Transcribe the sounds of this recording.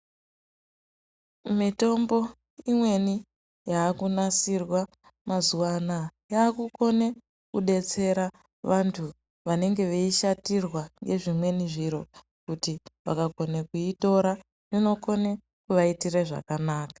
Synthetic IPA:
mito̞mbo̞ | imwe̞ni | jaːkunasirwa | mazuwanajaːkuko̞ne | kṵɗe̞t͡se̞ɾa | ʋantʰu | ʋane̞ŋɡe̞ʋeiʃatirwaŋɡe̞ʐimwe̞niʐiɾo̞ | kutiʋa̰kakonekuito̞ɾa | rino̞ko̞ne | kuʋaitireʐa̰kanaːkḁ

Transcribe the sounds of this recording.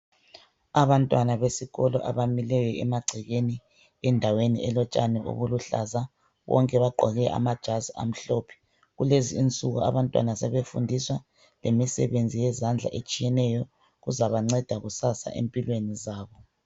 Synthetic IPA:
aβantʼwanaβesiɣɔlɔʔaβamilɛjɔɛmaɡ͡ǀʱiɣeni | ɛndʱawenḭʔɛlɔt͡ʃʼa̰nɛo̰βuluɬa̰za | βɔ̰ŋkʼɛβaǃʱɔ̰ɣɛʔa̰mad̥ʒ̥ʱazia̰m̩ɬopʰi̥ | ɣuleziːnt͡sʼuɣṵa̰βantʼwa̰nasɛβefundʱiswa | lemisɛβend͡zʱijɛzand͡ɮʱa̰ʔet͡ʃʼijɛnɛjɔ | ɣuzaβaŋ͡ǀɛd̥ʱaɣusasa̰ʔḛmpʼilwenizaːβɔ

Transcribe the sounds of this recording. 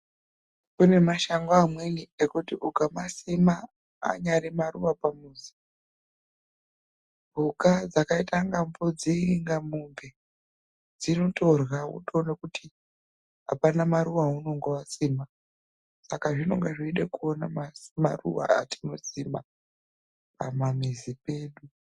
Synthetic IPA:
kune̞maʃaŋɡoamweniekutiʔukamasima | a̰ɲaɾimaruʋapamuːzi̥ | bʱukad͡zakaitaŋɡambod͡ziŋɡamumbe | d͡zino̞to̞rwaṵtonekutʰi | a̰panamaɾuʋauno̞ŋɡawasiːma | sakaʐino̞̰ŋɡeʐiiɗekuona̰masma̰rṵʋa̰a̰ti̥no̞sima | pa̰mamizipe̞ːɗu

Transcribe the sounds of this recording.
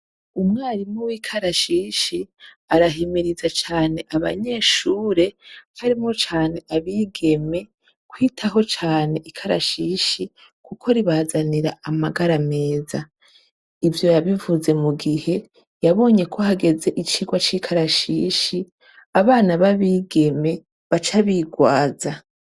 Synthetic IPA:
umŋaːɾimŋowiːkʰaɾaʃiːʃi | aɾaɦimiɾizat͡ʃaːne̞ʔaβa̰ɲe̞ːʃuːɾe̞haɾimo̞t͡ʃaːne̞ʔaβiːɡe̞me̞ | kwiːtʰaɦo̞t͡ʃaːne̞ʔikʰaɾa̰ʃiʃi | kukʰo̞ɾiβaːzaniɾaamaɡaɾame̞ːza | ivjo̞jaβivuze̞muɡihe̞ | jaβo̞ːɲe̞kʰo̞haɡe̞ze̞ʔit͡ʃiːɡwat͡ʃiːkʰaɾaʃiːʃi | aβaːnaβaβiːɡe̞me̞ | βat͡ʃaβiɡwaːza

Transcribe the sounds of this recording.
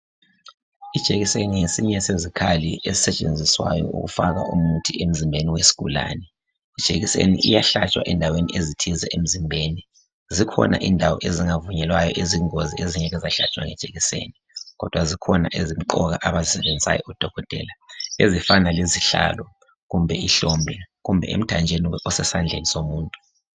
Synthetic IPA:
id̥ʒ̥ʱeɣiseniŋesiɲɛsezikʰaliezisɛt͡ʃʼend͡zʱiswajɔ̰ʔṵɣṵfaɣa̰ʔumutʰiʔem̩zimbʱeniwesi̥ɣṵla̰nɛ | id̥ʒ̥ʱeɣisḛnḭʔḭjaɬat͡ʃʼwaʔɛndʱawenḭʔezitʰizɛʔem̩zimbʱeːni | zikʰɔna̰ʔindʱawɔʔeziŋavuɲɛlwajɔʔeziŋozieziɲɛɣɛzaɬat͡ʃʼwa̰ŋɛd̥ʒ̥ʱeɣisḛːni | ɣɔd̥ʱwazikʰɔna̰ʔezim̩ǃɔɣaʔaβazisɛβend͡zʱisa̰jɔʔud̥ʱɔɣɔd̥ʱɛ̰laezifanaleziɬa̰ːlɔ | ɣumbʱɛiɬombʱɛɣumbʱɛ̰ʔḛm̩tʰand͡ʒʱeniɔsɛsand͡ɮʱenisomuːntʼu

